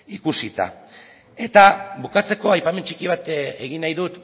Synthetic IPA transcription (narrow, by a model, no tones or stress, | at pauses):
ikusit̪a̰ | e̞t̪aβukat͡se̞ko̞ajpame̞nt͡ʃikiβ̞at̪e̞ɣinajðut̪